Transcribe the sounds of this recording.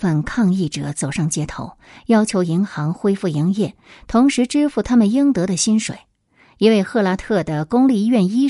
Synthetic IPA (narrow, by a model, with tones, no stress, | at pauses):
ə˥˧nkʰɑ˥˧ŋi˥˩ʈ͡ʂɤ̰˨˩˦t͡so˨˩ʊʂɑ˥˩ŋt͡ɕjɛ˥t̪ʰo̰˧˥ʊjɑ˥ʊt͡ɕʰjo˧˥ʊi˧˥ŋxɑ˧˥ŋxwe˥ɪfu˥˩i˧˥ŋjɛ˥˩ | t̪ʰʊ˧˥ŋʂɻ̩˧˥ʈ͡ʂɻ̩˥fu˥˩t̪ʰa˥mə˨nji˥ŋt̪ɤ˧˥ɾə˨ɕi˥nʂwḛ˨˩˦ɪ | i˧˥we˥˧ɪxɤ˥˩la˧˥t̪ʰɤ˥˩d̪ə˩kʊ˥ŋli˥˧˥ɥɛ˥˩ni˥